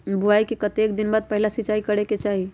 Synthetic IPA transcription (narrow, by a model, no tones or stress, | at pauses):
buaikekət̪ekd̪inbad̪̚pəɦilasit͡ʃaikəɽeket͡ʃaɦi